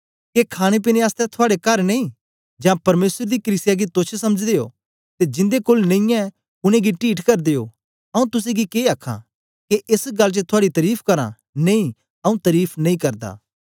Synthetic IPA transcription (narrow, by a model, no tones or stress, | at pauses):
kekʰaːɽ̃ep̬ɪneaːst̪ɛ̃t̪ʰʊaːɽekɐɾneĩ | d͡ʒãːpɐɾmeːsəɾd̪iklɪsjaɡit̪ot͡ʃʰsɐməd͡ʒd̪ejo̰ | t̪ed͡ʒɪ̃nd̪ekolnɐ̃ĩjã | ʊnẽɡiʈiːʈkɐɾd̪ejo | ɐũt̪ʊs̬ẽɡikeːɐkʰːã̰ | keʔɪsɡɐlːt͡ʃət̪ʰʊaːɽit̪ɐɾiːpʰkɐɾã̰ | nɐ̃ĩ | ɐũt̪ɐɾiːpʰnɐ̃ĩkɐɾd̪a̰ː